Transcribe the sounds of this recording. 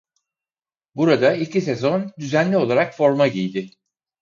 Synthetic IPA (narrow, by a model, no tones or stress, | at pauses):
buɾad̪ailʲcʰis̬ezo̞nd̪yzænlʲio̞lˠaɾakfo̞ɾmaɟijd̪ɪ